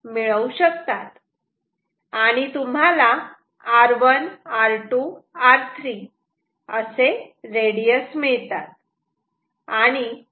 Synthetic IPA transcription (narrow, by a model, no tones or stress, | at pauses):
miɭəuɕəkt̪at̪ | aɽ̃it̪um̤ɦalaː | ɾʋənaɾʈuaɾt̪ʰɾi | əseɾeɽijəsmiɭt̪at̪̚ | aɽ̃i